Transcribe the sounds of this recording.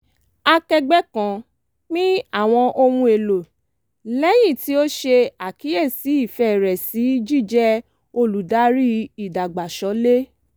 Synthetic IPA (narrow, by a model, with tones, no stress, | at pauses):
a˧kɛ˧ɡ͡bɛ˦kã˨˦ | nĩ˦a˦˨w̃ɔ̃˧ʔo˧m̃ũ˧e˨lo˨ | lɛ˦j̃ĩ˦˨ti˨˦o˦ʃe˧a˨ki˨˦je˦˨si˨˦i˦˨fɛ˦˨ɾɛ˨si˨˦d͡ʒi˦˨d͡ʒɛ˦ | o˧lu˨da˨˦ɾi˦i˦˨da˨ɡ͡ba˨ʃɔ˨˦le˦